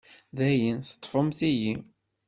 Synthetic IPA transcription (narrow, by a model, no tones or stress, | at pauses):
ðæjənθə̥t̪ˤːfəmθiji